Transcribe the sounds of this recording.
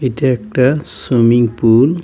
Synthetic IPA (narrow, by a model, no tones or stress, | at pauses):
etiɛkʈasumiŋpul